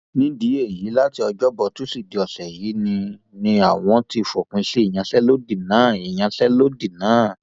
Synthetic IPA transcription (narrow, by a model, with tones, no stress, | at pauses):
nĩ˦di˨˦e˦˨ji˨˦la˦ti˧ɔ˧d͡ʒɔ˦bɔ˧tu˨˦si˦˨di˨˦ɔ˨sɛ˨jiː˨˦nĩ˧ | nĩ˧a˨w̃ɔ̃˧ti˧fo˨kũ˧˦i˦i˦˨j̃ã˧ɬɛ˦lo˦di˦˨nãː˨˦˨i˨j̃ã˧ɬɛ˦lo˦di˦˨nãː˨˦˨